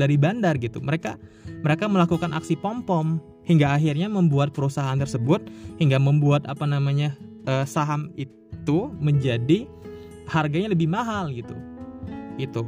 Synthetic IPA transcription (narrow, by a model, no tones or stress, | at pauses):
daɾibandarɡit̪ṵməɾeka̰məɾekaməlakukanʔa̰ksipɔmpɔm | hiŋɡaːɦirɲaməmbuat̪̚pəɾusaɦaant̪ərsəbʊt̪̚hiŋɡaməmbuat̪apanamaɲaʔəːsaɦamittt̪uməɲd͡ʒadi | harɡaɲaləbɪhmaɦalɡit̪ṵ | ɡit̪u